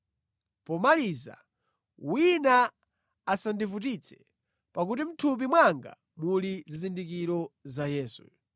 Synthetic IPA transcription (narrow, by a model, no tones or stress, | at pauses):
pɔmaliza̰ | wina | asandivut̬it͡sʰɛ̥ | pakutim̩tʰup̬imwaŋɡa̰ | mulizizindik̬iɾɔzajɛːsṵ